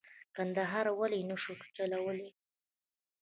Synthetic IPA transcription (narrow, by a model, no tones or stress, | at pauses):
kand̪aɦɑɾawalinəʃukʈ͡ʂalawəli